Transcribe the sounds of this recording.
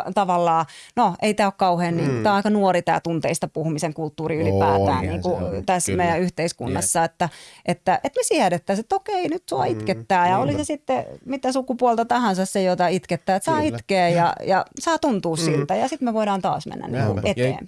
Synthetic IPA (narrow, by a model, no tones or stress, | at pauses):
t̪ɑʋɑlːɑːnoʔḛit̪æːokkɑuheːnniːŋkut̪æːɑikɑnuorit̪æ̰ːt̪unt̪eist̪ɑpuhumiseŋkult̪ːuːriylipæ̰ːt̪æ̰ːnniːŋkut̪æsmeijæyht̪eiskṵnːɑsːɑet̪ːæʔet̪ːæʔet̪mesiæɾet̪ːæset̪ːokeinyt̪suɑ̰it̪ket̪ːæːjɑolisesit̪ːemit̪ːæsukupuolt̪ɑt̪ɑhɑnsɑssejot̪ɑit̪ket̪ːæːet̪sɑːit̪keːjɑ̰jɑ̰sɑːt̪unt̪uːssilt̪ːæjɑsit̪meʋoiɾɑːnt̪ɑ̰ːsmḛnːæ̰nnḭːkṵʔet̪ḛːmp